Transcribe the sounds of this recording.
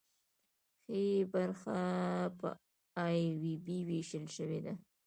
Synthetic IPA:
xebaɾxapə̰ | ɑjwibiweʃəlʃəwed̪a

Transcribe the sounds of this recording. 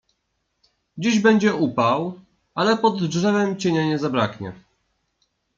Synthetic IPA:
d͡ʑiʑbɛɲd͡ʑɛupaw | alɛpɔd̪ʐɛvɛmt͡ɕɛɲɛɲɛzabɾakɲɛ̰

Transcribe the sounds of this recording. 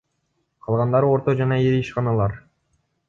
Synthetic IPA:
qʰɑlˠʁɑnd̪ɑɾo̞ɾt̪o̞d͡ʒɑnɑeɾiʃqɑnɑlˠɑɾ

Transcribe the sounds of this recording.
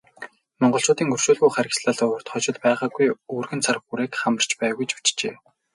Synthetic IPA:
mɔɴɢɞ̆ɬt͡sʊːt̪iːŋɵr̥ʃuːɮɣujχæɾʲɪ̆ksɮaːɮʊʊ̆r̥t̪χɔt͡ɕɪ̆t̪pæːʁaːɡujuːrɣɘ̆nt͡sʰaɾ̆xuɾeːkχamə̆r̥t͡ɕpæːɣujt͡ɕu̥t͡ɕt͡ɕeː

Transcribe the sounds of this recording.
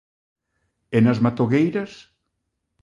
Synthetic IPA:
enazmat̪oɣejɾas

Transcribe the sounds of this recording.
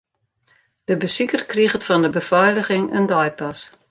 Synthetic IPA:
d̥əbəsikərkrixətfɔndəbəfɔjləɣɪŋə̰ndɔjpas

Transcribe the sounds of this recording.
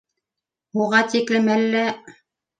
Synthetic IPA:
uʁɑt̪iklɘmælːæ

